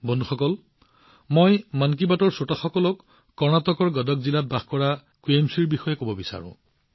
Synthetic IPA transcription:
bonduxɔkɔl | mojmank̬ibatɔɹsotaxɔkɔlɔkː | ɔɹnatɔkɔɹɡɔdɔkzilat̚baxkɔɹa | kuemsiɹbixɔjɛkobɔbisa̰ɹʊ̰̃

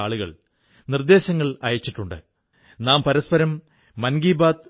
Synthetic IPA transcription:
aːɭuɣɐ̰ɭ | nird̪e̞ːɕɐŋːɐɭɐjɐt͡ɕːiʈːuɳɖɨ̰ | naːmpɐɾɐspɐɾɐmː | ɐnɡiːbaːd̪

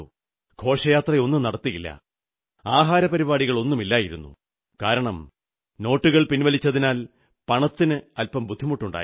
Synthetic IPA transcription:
kʰo̞ːʂɐjaːt̪rɐo̞nːumnɐɽɐt̪ːijilːɐ̰ | aːɦaːɾɐpɐɾibaːɽiɣɐɭo̞nːumilːaːjiɾṵnːṵ | kaːɾɐɳɐm | no̞ːʈːuɣɐɭpinʋɐlit͡ɕːɐðinaːl | pɐɳɐt̪ːinɨɐlpɐmbud̪ʱːimuʈːuɳɖa̰ː

